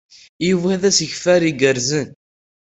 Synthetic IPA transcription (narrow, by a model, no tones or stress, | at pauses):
ivæðæsəçfæɾiɡəɾzən